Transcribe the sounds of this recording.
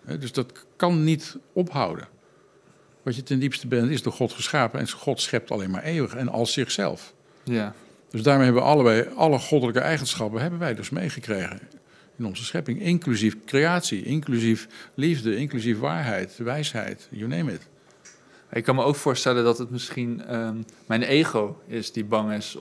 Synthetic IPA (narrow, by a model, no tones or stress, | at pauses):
ɦɛ̰dɵsdɑtkɑnːitɔpɦɑ̰wdə̰n | ʋɑtjətɛndipstəbɛntɪzdʊːɹχɔtχəsχaːpənɛ̰nχɔtsχɛp̚tʰɑ̰lejnma̰ːɹʔejʋəχɛnʔɑ̰lˠsɪχsɛ̰lˠf | d̥øzdaːɹmejɦɛbəʋə̰ʔɑləbɛjɑləχɔdələkəʔɛjχənsχɑpənɦɛbənʋɛjdɵsmejχəkrejχən | ɪnɔnzəsχɛpɪŋɪŋklyzifkrejaːtsiʔɪŋklyziflivdəɪŋklysifʋa̰ːɹɦɛjtʋɛjsɦɛ̰jtjunemət | maɪkːɑnməowkfʊːɹstɛləndɑtətmɪsχin | mɛjnejχowɪsdibɑŋɪs